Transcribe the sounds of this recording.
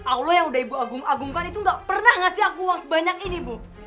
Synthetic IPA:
awlojaŋudahibuaɡuŋaɡuŋkanit̪uŋɡaʔpərnahŋasɪɦakuwaŋsəbaɲakinibuh

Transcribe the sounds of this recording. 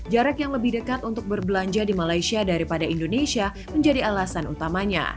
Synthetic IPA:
d͡ʒaɾakjaŋləbɪhdəkat̪unt̪ʊk̚bərbəlaɲd͡ʒadimalajsiadaɾipadaindonesia | məɲd͡ʒadialasanṵt̪amaɲa̰

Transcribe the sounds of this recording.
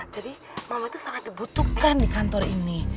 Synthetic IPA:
d͡ʒ̥a̤di | mawait̪usaŋat̪̚d̪ibut̪ukandikant̪ɔrini

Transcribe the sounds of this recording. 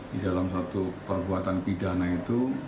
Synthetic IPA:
didalamsat̪upərbuat̪anpidanait̪u

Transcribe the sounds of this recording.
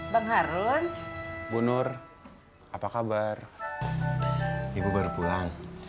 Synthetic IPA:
baŋɦaɾunbunʊr | ʔapakabar | ibubərpulaŋ

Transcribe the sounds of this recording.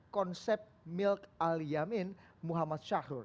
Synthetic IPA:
kɔnsɛp̚ | mɪlkalijamɪn | muɦamat̪̚ʃaɾur

